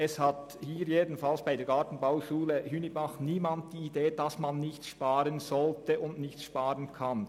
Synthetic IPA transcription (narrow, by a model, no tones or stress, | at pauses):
ɛshat | hiːɾjeːdn̩falsb̥aɪdeːɐɡaːtn̩baʊʃuːləhynibaχniːmant̚d̥iːideːd̥ɑsmanːɪçtsʃpaːɾənzɔltəʊndnɪçsʃpaːʁənkʰan